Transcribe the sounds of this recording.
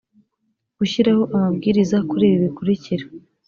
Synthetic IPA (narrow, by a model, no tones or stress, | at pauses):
ɡ̥uçiɾaho̞ʔamabɡiːɾizakuɾiːβiβikuɾiciɾe